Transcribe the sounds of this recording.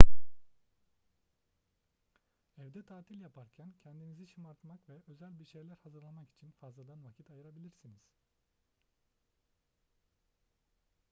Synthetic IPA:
ɛvd̪ɛt̪ʰaːt̪ʰilʲjapʰaɾcʰæncʰɛnd̪inizit͡ʃʰimaɾt̪makvɛʔøzælʲbiɾʃejlʲæɾhazɯɾlˠamaki̥t͡ʃʰinfazlˠad̪ˠanvacʰit̪ʰajɯɾabilʲiɾsiniz̥

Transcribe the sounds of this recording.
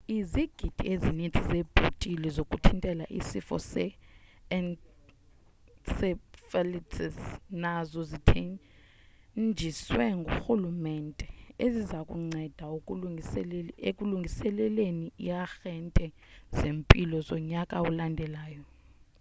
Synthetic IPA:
iziɡ̥ʱid̥ʱḭezinitʰʼizeb̥ʱutʼilɛzokʼutʰintʼɛlaʔḭsifɔ̰sɛɛn | sɛfɛlitʰɛsnazɔzitʰɛ | d͡ʒʱiswɛŋɡʱuxulumɛntʼɛezizakʼṵŋ͡ǀɛd̥ʱaukʼ | ekʼuluŋɡʱisɛlɛleniijaxɛntʼɛ | z̥empʼilɔzɔɲakʼaulandʱɛlaːjɔ

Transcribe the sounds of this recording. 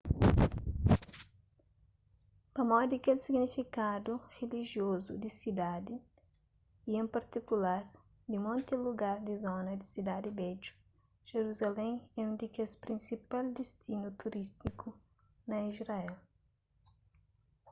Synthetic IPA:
pɐmɔd̪ikelsiɡnifikad̪uʁeliʒiozud̪isid̪ad̪i | iẽmpɐɾt̪ikulaɾ | d̪imõnt̪iluɡaɾd̪izɔnɐd̪isid̪ad̪ibɛd͡ʒu̥ | ʒ̥eɾuzalẽɛũd̪ikespɾĩnsipald̪est̪inut̪uɾist̪iku | nɐizɾaɛl

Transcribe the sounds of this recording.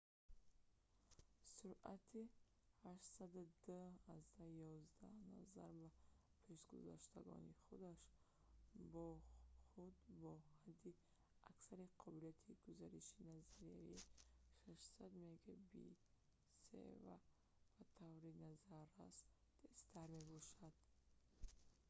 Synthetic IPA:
suɾʔat̪ʰi | haʃt̪sad̪ud̪aazd̪ajɔzd̪anazaɾbapʰe̞ʃɡuza̰ʃt̪ʰaɡɔ̰niχud̪aʃ | bɔχud̪bɔhad̪ːi | aksaɾiqʰɔbilijat̪ʰiɡuzaɾiʃinazaɾiaiʃaʃsad̪meɡabḭ | sḛva̰ | b̥at̪ʰavɾinazaɾasd̪est̪ʰaɾme̞bɔʃad̪̥

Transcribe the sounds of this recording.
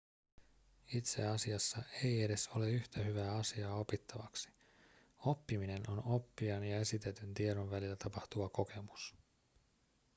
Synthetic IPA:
it̪se̞ɑsiɑsːɑʔe̞je̞de̞so̞le̞yçt̪æɦyʋæːɑsiɑːo̞pit̪ːɑʋɑksi̥ | o̞pːiminenʔo̞no̞pːiɑnjɑe̞sit̪e̞t̪ynt̪ieɾo̞nʋælilːæt̪ɑpɑht̪uʋɑko̞kʰe̞mus

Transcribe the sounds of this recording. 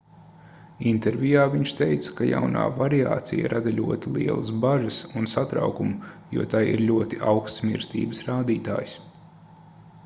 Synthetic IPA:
int̪eɾvʲijaːviɲʃt̪ejt̪sɐ̥kaja̰wna̰ːvaɾia̰ːt̪sḭjḭɾʔad̪aʎʲuɔt̪ilˠiɛlˠɐsbaʒəsunsat̪ɾa̰wkumjṵɔt̪ajḭɾlʲuɔt̪iʔawkst̪mʲḭɾst̪ḭːbəsɾaːd̪iːt̪a̰ːjs

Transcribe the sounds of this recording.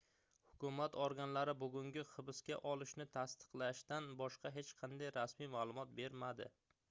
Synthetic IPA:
hʊkʰʊmat̪ʰɒɾɡʲanlaɾɪbʊɡʲʊŋɡʲɪχɨbɪskʲaʔɒlˠɪʃnɪt̪ʰast̪ɨ̥qlˠaʃt̪anbɒʃqɑɦe̞t͡ʃqʰɑnd̪ajɾasmijmaːlˠʊmɒt̪̚be̞ɾmad̪ɪ̰

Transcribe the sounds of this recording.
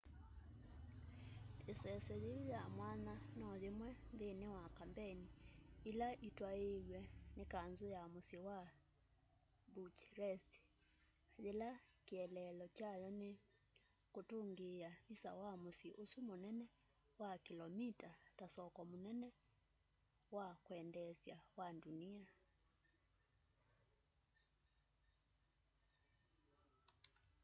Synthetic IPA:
esɛsɛðeɾijamwananɔðemwɛnðenewakambɛniilaʔitwaewɛnekanzojamosewa | but͡ʃɾɛst | ðelakeɛlɛlɔt͡ʃajɔne | kotoŋɡeaβisa̰wamosiʔosumonɛnɛ | wakilɔmitatasɔkɔmonɛnɛ | wakwɛndɛsjawandunia

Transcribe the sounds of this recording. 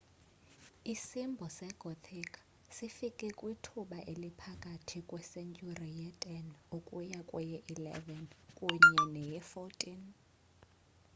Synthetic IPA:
isimbʱɔsɛɡ̥ʱɔt̪ʰikʰʼ | sifikʼɛkʼwitʰuɓaʔelipʰakʼatʰikʼwɛsɛnt͡ʃʼurijɛtʼɛnukʼujakʼwɛjɛʔilɛ̰vɛnkʼuɲɛnɛjɛfɔtʼin

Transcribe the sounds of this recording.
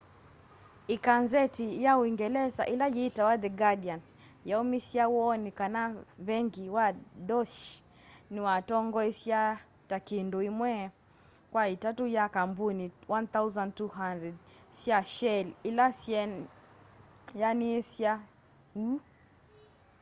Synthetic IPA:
ikanzɛtijauiŋɡɛlɛza̰ʔilajitawaðɛɡadian | jaumisjawɔnikanaβɛŋɡiwadɔʃ | niwatɔŋɡɔisja | takindoimwɛ | kwaitatujakambuniwʔant̪auzãntuɦandɾɛdsjaʃɛlilasɛn | janisja | u

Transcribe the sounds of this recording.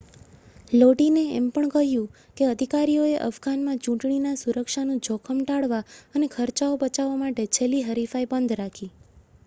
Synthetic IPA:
loʈineɛmpəɳkəɦjũ | keəd̪ʱikaɾijoeʔə̰fɡanmãt͡ʃũʈɳinasuɾəkʃanũd͡ʒʱokʰəmʈaɭʋaənekʰəɾt͡ʃaobət͡ʃaʋːamaʈet͡ʃʰeliɦəɾifaibənd̪ʱɾakʰi

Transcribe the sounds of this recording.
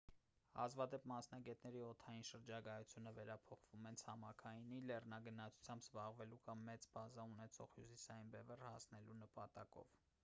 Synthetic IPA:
ɑ̰zvɑd̪ɛpmɑsnɑɡɛt̪nɛɾiɔt̪ʰɑjinʃəɾd͡ʒɑɡɑjut͡sʰjunəvɛɾɑpʰɔχvumɛnt͡sʰɑmɑkʰɑjinilɛrnɑɡənɑt͡sʰu̥t͡sʰjɑmbzbɑʁvɛlukɑmːɛt͡sbɑzɑunɛt͡sʰɔ̰ʁhjusisɑjinbɛvɛrhɑsnɛlunəpɑt̪ɑkɔ̰v

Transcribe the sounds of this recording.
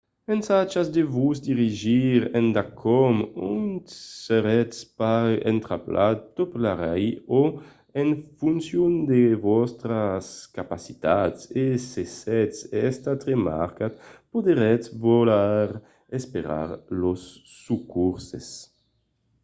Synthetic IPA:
mensat͡ʃazd̪evuzd̪iʁiʒiɾɛnd̪akʰɔmunt̪seɾɛt̪paɾḛnt̪ɾaplʔat̪̚t̪oplaɾɛjo | ɛnfunsjund̪evɔst̪ɾaskapasi̥t̪at̪sesesɛt̪sɛst̪at̪ʁema̰ɾkat̪pod̪eɾɛt̪volaɾ | espeɾa̰ɾlosːukuɾsḛs

